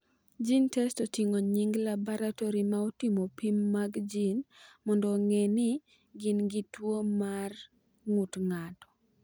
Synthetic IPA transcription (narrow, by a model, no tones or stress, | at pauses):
d͡ʒintɛstotiŋoɲiŋɡlabɔɾatɔɾimaɔtimopimːaɡd͡ʒinmɔndɔŋɛnɪ | ɡɪnɡɪtwomar | ŋutŋatɔ̥